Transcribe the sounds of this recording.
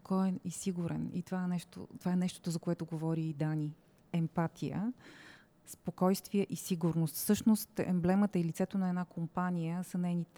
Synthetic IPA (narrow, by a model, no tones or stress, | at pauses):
kʰɔɛisiɡuɾɛ̰nḭt̪ovaɛnɛʃt̪o̰t̪ovaɛnɛʃt̪o̥t̪ʊzɐkoɛt̪oɡovɔɾiid̪ani | ɛmpat̪ʰijə̰ | spokɔjst̪viəʔisiɡʊɾnost̪fsɤʃnost̪ɛ̰mblɛmət̪əilit̪sɛt̪onɐɛdnakompanijəsɐnɛjnit̪